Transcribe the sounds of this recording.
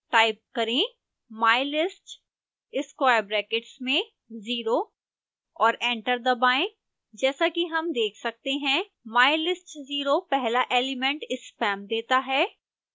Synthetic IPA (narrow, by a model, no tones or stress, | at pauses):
ʈaːɪp̚kɐɾẽ | maːɪlɪsʈ | ɪskwaːɪjɾbɾɛːkɪʈsmẽ | ziːɾo | ɔːɾɛ̃ːɳʈəɾd̪ɐbaːẽ | d͡ʒɛːsakiɦɐmd̪eːkʰsɐk̚t̪eɦɛ̃ | maːɪlɪsʈziːɾopɛɦlaʔeːlɪmɛ̃ɳʈɪspɛːmd̪eːt̪aɦɛː